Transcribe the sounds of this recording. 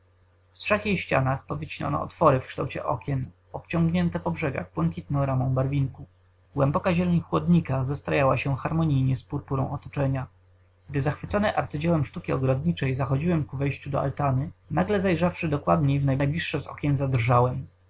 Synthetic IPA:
ft̪ʂɛxjejɕt͡ɕa̰naxpɔvʲɘt͡ɕina̰nɔ̰ɔ̰t̪fɔɾɘfkʂt̪a̰wt͡ɕɛ̰ʔɔkʲɛn | ɔpt͡ɕɔ̃ŋɡɲɛnt̪ɛpɔbʐɛɡa̰ɣbwɛŋkʲit̪nɔ̃w̃ɾamɔ̃w̃baɾvʲiŋku | ɡwɛmbɔkaʑɛlɛɲxwɔd̪ɲikazast̪ɾajawaɕɛxaɾmɔɲijɲɛspuɾpuɾɔ̰̃w̃ʔɔt̪ɔ̥t͡ʂɛɲa | ɡ̚d̪ɘzaxfɘt̪sɔnɛʔa̰ɾt̪sɘd͡ʑawɛmʂt̪ukʲiɔɡɾɔd̪ɲit͡ʂɛjzaxɔd͡ʑiwɛmkuvɛjɕt͡ɕud̪ɔ̰a̰lt̪anɘnaɡlɛzajʐafʂɘd̪ɔkwad̪ɲejvnajblʲiʂːɛzɔ̰kʲjɛnzad̪rʐawɛm

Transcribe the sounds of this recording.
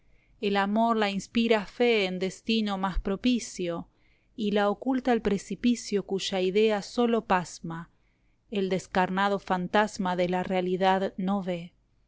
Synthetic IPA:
elamo̞ɾlainspiɾafeːnd̪est̪inomaspɾopisjo | ilaokult̪aelpɾesipisjo̞kuʒaiðeaso̞lo̞pazma | eld̪eskaɾnað̞ofant̪azmaðelarealiðaðnoβe

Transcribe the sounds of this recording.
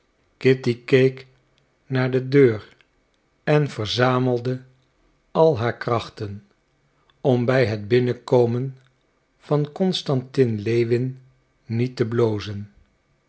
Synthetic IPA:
kɪtikejk | naːɹdədøːr | ɛnv̥əɹzaːməlˠdə | ɑlˠɦaːɹkrɑχtən | ɔmbɛjɦədbɪnəkowmən | v̥ɑnkɔnstɑntɪnlejʋɪnː | itəblowzən

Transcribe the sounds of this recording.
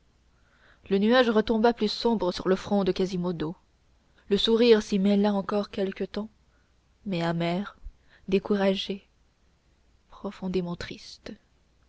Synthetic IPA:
lənyaʒʁət̪ɔ̃baplysɔ̃bʁəsyʁləfχɔ̃d̪əkʲazimod̪o | ləsuʁiʁsimɛlaɑ̃kɔʁkʲɛlkət̪ɑ̃ | mɛamɛʁ | d̪ekuʁaʒe | pχɔfɔ̃d̪emɑ̃t̪χist̪

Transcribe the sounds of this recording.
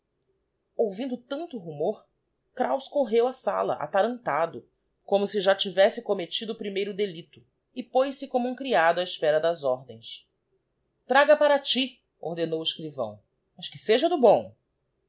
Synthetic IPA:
owvĩnd̪ʊt̪ɐ̃nt̪ʊɦumoɾ | kɾawskoɦewasa̰lɐ̰ʔa̰t̪aɾɐ̃nt̪ad̪ʊ | kõmʊsɪʒat͡ʃivɛsɪkomet͡ʃid̪ʊːpɾimejɾʊd̪elit̪ʊ | ɪpojsɪkõmʊũkɾiad̪ʊaɪʃpɛɾɐd̪ɐzɔɾd̪ḛ̃j̃s | t̪ɾaɡɐpaɾɐt͡ʃi | o̰hd̪enowɪʃkɾivɐ̰̃w̃ | mɐʃkɪseʒɐd̪ʊbõw̃

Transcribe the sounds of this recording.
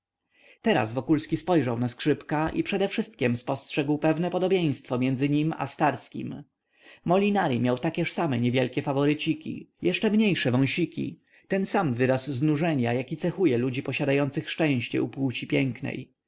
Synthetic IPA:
t̪ɛɾa̰zvɔkulskʲispɔjʐawnaskʂɘpkaʔḭpʂɛd̪ɛfʂɘst̪̚kʲɛmspɔstʂɛɡwpɛvnɛpɔd̪ɔbʲjẽj̃st̪fɔmʲjɛnd̪zɘɲima̰st̪aɾskʲḭm | mɔlʲinaɾimʲjawt̪akʲɛʂsamɛɲɛvʲjɛlkʲɛfavɔɾɘt͡ɕikʲḭjʔɛʂt͡ʂɛmɲejʂɛvɔ̃w̃ɕikʲḭ | t̪ɛnsamvɘɾasːnuʐɛɲajakʲit̪sɛxujɛlud͡ʑipɔɕad̪ajɔnt̪sɘxʂt͡ʂɛ̃w̃ɕt͡ɕɛ̰upwut͡ɕipʲjɛŋknɛ̰j

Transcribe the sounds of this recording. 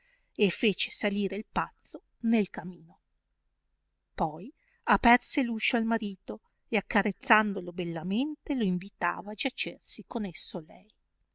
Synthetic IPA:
efːeːt͡ʃe̥saliːɾeilpat̪sːo | nelkamiːno | pɔj | apɛrseluːʃoalmaɾiːt̪o | eakːaɾet̪sːand̪olobelːament̪eloiɱvit̪a̰ːvaːd͡ʒat͡ʃersikonesːolɛ̰j

